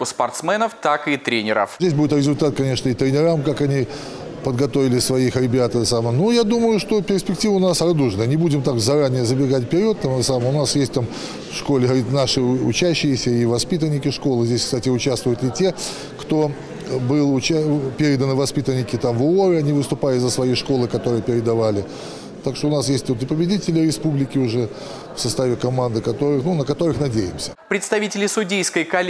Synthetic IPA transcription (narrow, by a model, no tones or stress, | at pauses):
spɐrt̪smɛnəft̪akɨt̪ɾʲenʲɪɾə̰fzʲdʲesʲbudʲɪt̪ɾʲɪzʊlʲt̪at̪̚kɐnʲe̞ʂnəɪt̪ɾʲɪnʲɪɾamkakɐnʲi | pəd̪ɡɐt̪o̞vʲɪlʲɪsvɐixɾʲɪbʲat̪əsamənujad̪uməjʊʂt̪opʲɪrsʲpʲɪk̚tʲivəʊnasrɐd̪uʐnəənʲɪbudʲɪmt̪akzɐɾanʲɪjəzəbʲɪɡatʲpʲɪɾʲot̪ːamsaməmʊnasjesʲtʲt̪am | fʂko̞lʲɪɾʲit̪naʂɨʊ̰t͡ɕæɕːɪjɪsʲəivɐspʲit̪ənʲːɪkʲɪʂko̞lˠɨzʲdʲesʲkst̪atʲɪʊt͡ɕast̪vʊjʊt̪ɪtʲe̞ | kt̪o̞ | bɨlˠʊt͡ɕpʲeɾʲɪd̪ənəvɐspʲit̪ənʲːɪkʲɪt̪amvoɾɨɐnʲivɨst̪ʊpalʲɪzəsvɐjijʂko̞lˠɨkɐt̪o̞ɾɨjəpʲɪɾʲɪd̪ɐvalʲɪ | t̪akʂt̪oʊnasjesʲtʲvot̪̬ɨɪpəbʲɪdʲitʲɪlʲɪɾʲɪspublʲɪkʲɪʊʐɛ | fsɐst̪avʲɪkɐmand̪ɨkɐt̪o̞ɾɨxnunəkɐt̪o̞ɾɨxnɐdʲejɪmsʲə̥pɾʲɪt̪st̪ɐvʲitʲɪlʲɪsʊdʲejskəjkɐlʲ